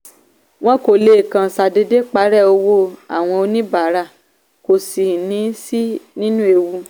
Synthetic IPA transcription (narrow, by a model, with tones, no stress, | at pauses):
w̃ɔ̃˦ko˨le˧˨kã˨sa˨de˧de˦k͡pa˨˦ɾɛ˦˨o˧wo˦a̰˨w̃ɔ̃˧o˧nĩ˦ba˨˦ɾa˧˨ | ko˨si˨nĩ˨˦si˦nĩ˦nũ˦e˧wu˧